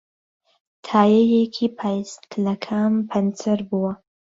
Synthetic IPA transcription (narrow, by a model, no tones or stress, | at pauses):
t̪ʰɑjajekʰipʰajskʰlakʰampʰant͡səɾbuwa